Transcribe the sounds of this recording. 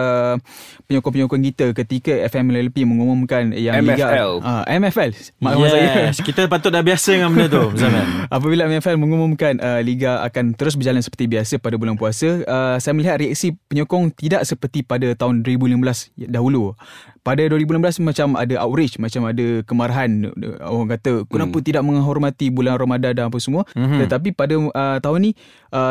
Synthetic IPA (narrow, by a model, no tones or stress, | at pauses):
ə | pəɲɔkɔŋpəɲɔkɔŋkit̪əkət̪ikəɛfɛmlɛlpiməŋumʊmkanjaŋliiɡaɛlʔaʔɛmɛfɛlmaʔamaajəkit̪apat̪ʊt̪̚dabiasədəŋanməndət̪uəzaŋanʔap̬əbilaɛmɛfɛlmə̃ŋumumkanʔəliɡaa̰kant̪əɾʊs̬bərd͡ʒalansə̥pə̥rt̪ibiasəpadabulanpuasəəsajəməliɦat̪̚ɾiak̚sipəɲɔkɔŋt̪idaʔsəpərt̪ipadət̪aɦʊndwəɾibuliməmbəlasdaɦulupadəduwəɾibulimbəlasmat͡ʃama̰dəʔa̰wɾɪt͡ʃmat͡ʃamadəkəmaɾaɦan̰ | kat̪əkunaput̪idaʔməŋɦɔrmat̪ibulanromadadanapasəmuət̪ət̪ap̬ipadəət̪aɦʊnːi | ʔə